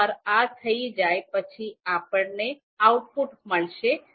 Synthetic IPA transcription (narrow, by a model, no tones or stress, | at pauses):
əɾat̪ʰəid͡ʒajpət͡ʃʰiapəɳne | awʈfuʈməɭʃe